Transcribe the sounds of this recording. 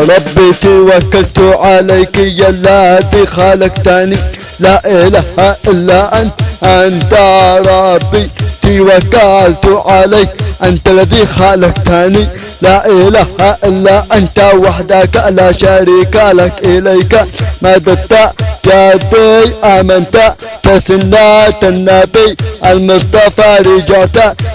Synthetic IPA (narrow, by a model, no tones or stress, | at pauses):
ɾˤɑbːit̪iwɐkːɐlt̪uʕalɐjkɪjɐlːad̪iːxaːlɐkt̪ani | laʔelɐhaʔɪlːaʔɐnt̪ʔɐnt̪aɾˤɑbːit̪iwɐkːalt̪uʕalɐjkʔɐnt̪ɐlːɐðixalɐk̚t̪ani | laʔelahaʔɪlːaʔɐnt̪awaħd̪akaʔlaʃaɾiːkalɐkɪlɐjkamad̪ɐt̪ːajad̪ejamɐnt̪atɐsɪnːat̪ɐnːabijʔɐlmʊst̪ɐfaɾid͡ʒat̪a